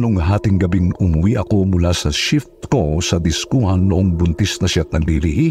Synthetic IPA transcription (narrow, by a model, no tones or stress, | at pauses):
noŋɦaːt̪ɪŋɡɐbɪŋʔʊmʊwiʔɐko̞mʊlasɐʃɪft̪̚kosɐd̪ɪskuhɐnːʊʔoŋbʊnt̪ɪsnɐʃat̪̚nɐŋliliʔi